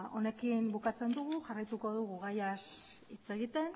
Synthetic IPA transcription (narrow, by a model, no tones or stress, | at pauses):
o̞ne̞kimbukat͡se̞nd̪uɣuʝarajt̪uko̞ðuɣuɣajas | it͡se̞ɣit̪e̞n